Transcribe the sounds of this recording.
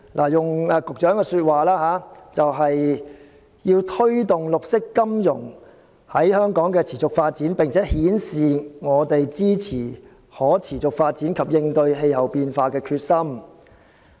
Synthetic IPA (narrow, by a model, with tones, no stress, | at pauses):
lʔa̰ː˨˩jʊ˨˩ŋː˨˧kʊ˨k̚t͡ʃœː˨˥ŋkɛː˧syː˧t̚waː˨laː˥ɦaː˨˧˥t͡sɐ˨wɦɐ˨j | jiː˧wt̪ʰɵ˥ɥt̪ʊ˨ŋlʊ˨k̚sɪ˥kːɐ˥mjʊ̰˨˩ŋ | hɐ˨˥jhœː˥ŋkɔː˨˥ŋkɛː˧t͡sʰiː˨˩t͡sʊ˨k̚faː˧t̚t͡siː˨˥npɪ˨ŋt͡sʰɛː˨˥hiː˨˥nsiː˨ŋɔː˨˧t̪e˨jt͡siː˥t͡sʰiː˨˩ | hɔː˨˥t͡sʰiː˨˩t͡sʊ˨k̚faː˧t̚t͡siː˨˥nkʰɐ˨p̚jɪ˧ŋt̪ɵ˧ɥɦe˧jhɐ˨˩wpiː˧nfaː˧kɛː˧kʰyː˧t̚sɐ˥m